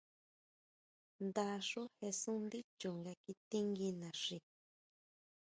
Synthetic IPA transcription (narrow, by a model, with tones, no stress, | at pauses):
nd̪a˧ʂu˦he˧sũ˦nd̪i˦t͡ʃu˨ŋɡa˧ki˧t̪ĩ˦ŋɡi˧nã˨ʂi˧